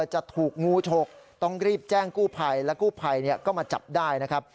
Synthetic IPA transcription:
t͡ɕa˨˩ʔt̪ʰuː˨˩k̚ŋuː˧˥t͡ɕʰo˧˩k̚t̪ɔ˥˩ŋɾiː˥˩p̚t͡ɕɛː˥˩ŋkuː˥˩pʰa˧jlɛː˦˥wkuː˥˩pʰa˧jni˥˩ɐkɔː˥˩maː˧t͡ɕa̰˨˩p̚daː˥˩jna˦˥kʰp̚

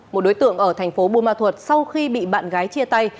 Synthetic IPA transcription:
mo˨˩ɗo˨˦jt̪ɨ̰˧˨əŋʔəː˧˩t̪ʰɛ˨˩jŋ̟fo˨˦ɓu˧˨maː˧˩t̪ʰwə˨˩t̚sa˧wxi˧ɓḭ˧˨ɓa̰ː˧˨nɣaː˨˦jt͡ɕi˧ət̪a˧j

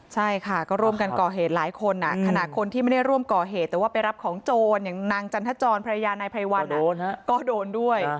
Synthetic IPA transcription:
t͡ɕʰa˥˩jkʰa˥˩kɔː˥˩ɾu˥˩əmka˧nkɔː˨˩ɦeː˨˩t̪̚laː˨˩˦jkʰo˧nʔa̰˨˩kʰa˧na˨˩kʰo˧nt̪ʰiː˥˩ma˥˩da˥˩jɾu˥˩əmkɔː˨˩ɦeː˨˩t̪̚ːɛː˨˩waː˥˩pa˧jɾa˦˥p̚kʰɔː˩˦ŋt͡ɕoː˧njaː˨˩ŋnaː˧ŋt͡ɕa˧nt̪ʰa˦˥t͡ɕɔː˧npʰa˧a˧jaː˧nːa˧jpʰɾa˧jwa˧n˧kɔː˥˩doː˧ndu˥˩əj

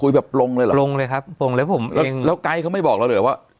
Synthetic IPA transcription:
u˧jbɛː˨˩p̚lo˧ŋlːjla˨lo˧ŋlɤː˧jkʰa˦˥p̚ːʰo˧ŋləː˧˦˥wpʰo˩˦mʔɛː˦˥˧ŋlɛː˦˥wka˧jkʰa˦˥wma˥˩jbɔː˨˩k̚la˧˥lɯ˩˦waː˥˩

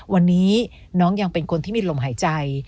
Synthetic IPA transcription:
wa˧nːiː˦˥ | nɔː˦˥ŋja˧ŋpe˧nkʰo˧nt̪ʰiː˥˩miː˧lo˧mɦaː˩˦jt͡ɕa˧j

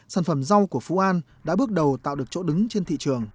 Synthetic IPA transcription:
saː˧˩nfə˧˩mza˧wku˧˩əfṵ˧˥ʔaː˧n | ɗa̰ː˧˥ɓɨ˦˥ək̚ɗə˨˩wt̪a̰ː˧˨wɗɨ˨˩ək̚t͡ɕo̰˧˥ɗɨ˨˦ŋt͡ɕe˧nt̪ʰḭ˧˨t͡ɕɨ˨˩əŋ

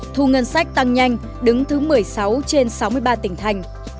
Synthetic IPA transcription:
t̪ʰu˧ŋə˧nsa˦˥jk̚t̪a˧ŋɲa˧jŋ̟ | ɗɨ˨˦ŋt̪ʰɨ˨˦mɨ˨˩əjsa˨˦wt͡ɕe˧nsa˨˦wmɨ˧əjɓaː˧t̪ï˧˩ŋ̟t̪ʰa˧jŋ̟

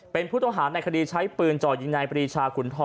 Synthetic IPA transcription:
pe˧npʰuː˥˩t̪ɔ˥˧ŋɦaː˩˦na˧jkʰa˧diː˧t͡ɕʰa˦˥jpɯː˧nt͡ɕɔː˨˩i˧ŋɲa˧jpʰɾiː˧t͡ɕʰaː˧kʰu˩˦nt̪ʰɔː˧

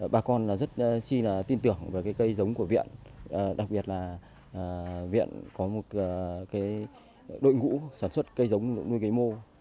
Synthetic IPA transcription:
ɓaː˨˩kɔ˧nlaː˨˩zə˦˥t̚si˧laː˨˩t̪i˧nt̪ɨ˨˩əŋve˨˩kaː˨˦jkə˧jzə˨˦wŋ͡mku˧˩əvḭ˧˨ən˨˩ɗa˨˩k̚ɓi˨˩ət̚laː˨˩˨ | vḭ˧˨ənkɔ˨˦mo˨˩t̚ːkaː˨˦j | ɗo̰˧˨jŋṵ˧˥saː˧˩nswə˦˥t̚kə˧jzə˨˦wŋ͡mnu˧jɣə˨˦jmo˧

